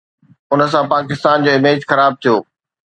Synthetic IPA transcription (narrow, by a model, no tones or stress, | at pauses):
ʊnəs̬ãpaːkɪst̪aːnd͡ʑoːɪmeːd͡ʑxɐɾaːb̚t̪ʰijoː